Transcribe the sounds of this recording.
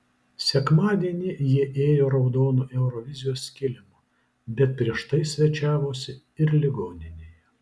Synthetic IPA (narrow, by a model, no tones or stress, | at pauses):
sʲɛkmɑːd̪ʲiɛnʲɪjiɛʔeːjoːɾɐʊd̪oːnuːʔɛʊɾoːʋʲɪzʲɪjoːskʲɪlʲɪmoː | bʲɛt̪̚pʲɾʲiɛʃt̪ɐɪsʲʋʲɛt͡ʃʲæːʋoːsʲɪ | ɪɾlʲɪɡoːnʲɪnʲeːjɛ